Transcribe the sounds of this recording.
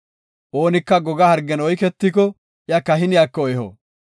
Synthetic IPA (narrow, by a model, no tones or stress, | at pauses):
ʔoːnɪkːɐɡɔɡɐhɐɾɡːɛnɔjkɛt̪ːikɔ | jɐkːɐɦɪnɪjakːɔɔjɛhɔ̰ː